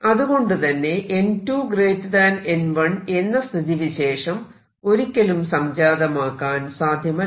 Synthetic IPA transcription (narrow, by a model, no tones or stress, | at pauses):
ɐðuɣo̞ɳɖɨt̪ɐnːe̞ʔentuːɡreːtːðaːnenʋɐɳe̞nːɐst̪ʰiðiʋiɕe̞ːʂɐm | o̞ɾikʲːɐlumsɐmd͡ʑaːðɐmaːkːaːnsaːd̪ʱjɐmɐ